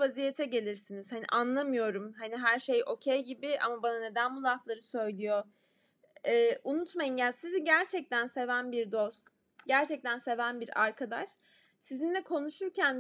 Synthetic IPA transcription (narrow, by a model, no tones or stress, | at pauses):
vazije̞t̪ʰɛɟe̞lʲiɾsiniz̥hanḭʔanlˠamɯjo̞ɾumɦaniɦæɾʃe̞jʔo̞cʰejɟibɪʔa̰mabanane̞d̪ænbulˠaflˠaɾɯsø̞jlʲijo̞ | ɛːʔunut̪majɯmjasiziɟæɾt͡ʃʰɛc̚t̪ʰænse̞vænbiɾd̪o̞st̪ | ɟæɾt͡ʃʰɛc̚t̪ʰænse̞vænbiɾaɾkʰad̪aʃ | sizind̪ʲɛkʰo̞nuʃuɾcʰæn